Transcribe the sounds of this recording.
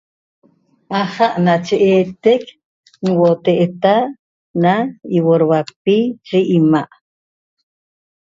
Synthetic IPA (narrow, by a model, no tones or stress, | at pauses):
ʔaχaʔnat͡ʃeʔeːt̪ek | nwot̪eʔet̪a | naiwoɾwak̚pit͡ʃiʔːmaʔ